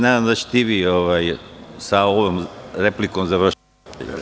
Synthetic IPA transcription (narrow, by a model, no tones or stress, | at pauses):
naːd̪amd̪at͡ɕt̪iʋioʋajsaoʋomɾeplikomzaʋr̩ʃ | t̪